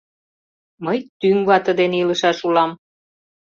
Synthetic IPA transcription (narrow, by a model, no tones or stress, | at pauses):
məjt̪yŋβɑt̪ə̆d̪eneiləʃɑʃulɑm